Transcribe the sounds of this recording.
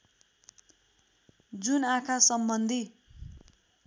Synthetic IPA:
d͡zunãkʰasʌmbʌnd̪ʱi

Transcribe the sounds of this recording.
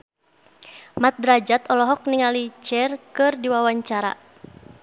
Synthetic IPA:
mat̪̚dɾad͡ʒat̪ɔlɔɦɔk̚niŋalit͡ʃɛrkɨrdiwawaɲt͡ʃaɾa̰

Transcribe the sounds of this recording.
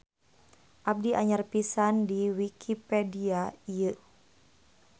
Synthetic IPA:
ʔab̚diʔaɲarpisandiwikʰipediaijə

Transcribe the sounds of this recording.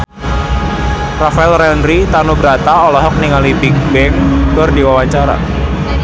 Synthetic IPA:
rafaɛlrɛnɾit̪anubəɾat̪aolɔɦɔk̚niŋalibiɡ̚bɛŋɡɔrdiwawaɲt͡ʃaɾa̰

